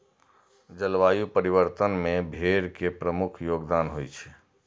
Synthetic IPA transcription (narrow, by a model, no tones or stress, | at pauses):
d͡ʒəlʋajupəɾiβəɾt̪ənmẽbʱeɾkepɾəmukʰjoɡd̪anɦojt͡ʃʰɛ̥